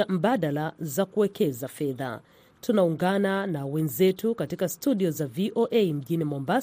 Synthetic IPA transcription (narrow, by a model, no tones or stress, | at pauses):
am̩ɓaɗalazakuwɛkɛzafɛða̰ | tunauŋɡananawɛnzɛtukatikastuɗiɔzaviʔoʔɛim̩ʄinimɔmba